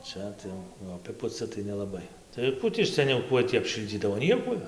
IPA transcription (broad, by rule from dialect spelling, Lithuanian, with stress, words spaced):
ˈt͡ʃʲɛ ˈtɐɪ jɛʊ ɐˈpʲɪpʊt͡sʲɪ tɐɪ nʲɛlˠɐˈbɐɪ tɐɪ ˈkuː tʲiː sʲɛˈnʲɛʊ ˈkuɔj tʲiː ɐpʲˈʃʲɪlʲd͡zʲiːdɐʋoː ˈnʲiɛkuɔj